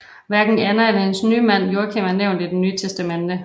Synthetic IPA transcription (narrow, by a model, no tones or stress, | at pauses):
ʋæɐɡ̥n̩ænɐæʋehensnyːmæn̰jo̝ːɐkʰemænːeʊnd̥id̥enyːt͡sʰesd̥æmend̥ə